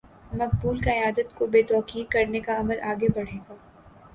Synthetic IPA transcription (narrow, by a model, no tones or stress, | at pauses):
mɐk̚buːlkaɪjaːd̪ət̪kobeːt̪ɔːqiːɾkɐɾnekaɐməlʔaːɡebɐɽ̤eːɡaː